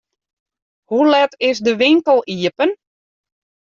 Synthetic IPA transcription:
hulɛtɪsdəʋɪŋkəlˠiəpən

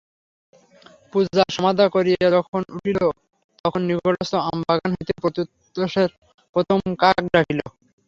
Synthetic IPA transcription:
pud͡ʑaʃɔmad̪akoɾijeɾɔkʰonuʈʰilo | t̪ɔkʰonːiɡoʈost̪oambaɡanɦojt̪epɾot̪ut̪ː | oʃeɾ | pɾot̪ʰomkak̚ɖakʰilo

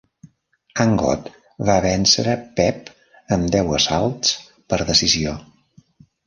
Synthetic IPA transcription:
əŋɡɔ̰t̪ | βaβɛnsəɾəpɛp | əmd̪ɛwəsalˠtt͡s | pəɾðəsizio

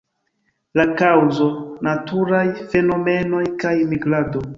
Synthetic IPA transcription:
lakawzo̞natʰuɾajfe̞no̞me̞no̞jkajmiɡlado̞

